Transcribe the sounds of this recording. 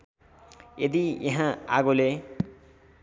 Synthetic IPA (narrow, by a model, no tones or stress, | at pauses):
jed̪ijʌɦãaɡole